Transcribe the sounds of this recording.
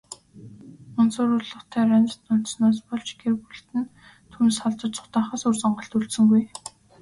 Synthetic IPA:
ʊnsʊːɾʊrɮɞ̆χt̪ʰæːɾanʲt͡sə̆t̪ʊn̥t̪snaːspɔɮt͡ɕɡerɣuɬt̪ɘ̆n | t̪ʰunsɔɮt͡sə̆t͡ɕt͡sʊ̥χt̪aːχaːsɵrsɔɴɢə̆ɬt̪uɮt̪sɵ̆ŋɡuj

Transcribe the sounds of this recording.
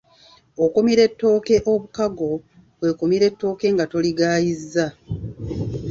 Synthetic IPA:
okomiɾe̞tːo̞ːke̞ʔo̞βukaɡo̞ | kwe̞ːkomiɾe̞tːo̞ːke̞ŋɡato̞liɡaːjizːa

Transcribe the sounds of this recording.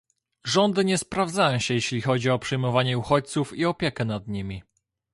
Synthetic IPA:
ʐɔnd̪ɘɲɛspɾavd̪zajɔ̃w̃ɕɛjɛɕlʲixɔd͡ʑiɔpʂɛjmɔvaɲɛuxɔt͡ɕ̚t̪sufiɔpʲjɛkɛnad̪ɲimʲi

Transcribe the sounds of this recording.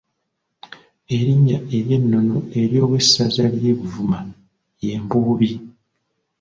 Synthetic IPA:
e̞ɾiɲːae̞ɾje̞nːo̞no̞e̞ɾjo̞ːβwe̞sazalje̞βuvuma | je̞ːmbuːβi

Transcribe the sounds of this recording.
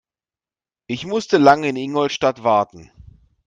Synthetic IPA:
ʔɪçmʊstəlaŋəɪnɪŋɔltʃtatv̥aɐtn̩

